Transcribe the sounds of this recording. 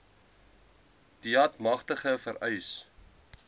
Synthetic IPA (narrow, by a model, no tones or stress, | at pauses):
d̥iɐtmɐχtəχəfəɾœjs